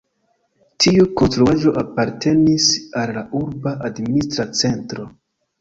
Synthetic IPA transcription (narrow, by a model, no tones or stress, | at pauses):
tʰiukonstɾuaʒo̞ʔapaɾtʰe̞nisalːaʔuɾbaʔadministɾat͡se̞ntɾo̞